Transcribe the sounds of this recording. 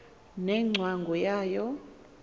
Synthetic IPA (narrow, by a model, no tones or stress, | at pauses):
nɛŋ͡ǀʱwaŋɡʱɔjaːjɔ